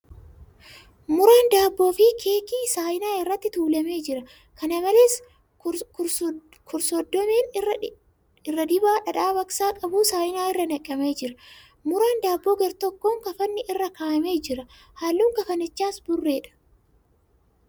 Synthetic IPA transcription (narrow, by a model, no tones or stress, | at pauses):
mʊɾeːnd̪aːbːo̞ːfɪkʰe̞ːkiːsaːjɪnaːɪrːɐt̪ːɪt̪uːlɐme̞ːd͡ʒɪɾɐ | kɐnɐmɐle̞ːs | kʰʊɾsɔd̪ːɔmeːnː | ɪrːɐd̪ɪbaːᶑɐᶑaːbɐksaːkʼɐbuːsaːʔɪnaːɪrːɐnɐkʼːɐme̞ːd͡ʒɪɾɐ | mʊɾeːnd̪aːbːo̞ːɡɐɾt̪ɔkːo̞ːŋkɐfɐnːɪʔɪrːɐkaːʔɐme̞ːd͡ʒɪɾɐ | haːlːuːŋkɐfɐnɪt͡ʃːaːsbʊrːe̞ːᶑɐ̥